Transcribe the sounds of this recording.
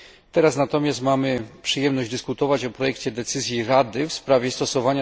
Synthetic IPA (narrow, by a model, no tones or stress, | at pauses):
t̪ɛɾasnat̪ɔmʲjast̪mamɘpʂɘjɛmnɔʑd͡ʑd̪ɘskut̪ɔvat͡ɕɔpɾɔjɛkt͡ɕɛd̪ɛt̪sɘzʲjiɾad̪ɘfspɾavʲjɛst̪ɔsɔvaɲa